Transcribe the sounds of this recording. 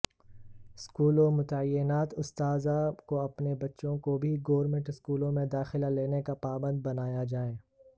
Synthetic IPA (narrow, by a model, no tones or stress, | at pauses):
ɪskuːlomʊt̪aəjːɪnaːt̪ʊst̪aːzakoɐpnebɐtːʃõkobʱiɡoːɾmẽɳʈɪskuːlõmẽd̪aːxɪlaleːnekapaːbə̃nd̪̚bɐnaːjad͡ʒaːẽː